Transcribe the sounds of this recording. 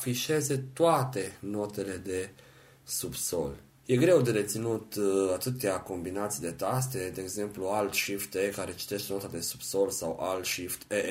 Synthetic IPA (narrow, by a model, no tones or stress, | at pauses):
fiʃe̞ze̞t̪oat̪e̞no̞t̪e̞le̞d̪e̞ | subso̞̰l | je̞ɡɾe̞wd̪eɾe̞t̪sinut̪at̪ɨt̪eako̞mbinat̪sijd̪e̞t̪as̬t̪e̞d̪e̞ːɡze̞mpluald̪ʃift̪ekaɾe̞t͡ʃi̥t̪e̞ʃt̪o̞t̪ad̪e̞su̥b̥so̞lsawʔalt̪ʃift̪e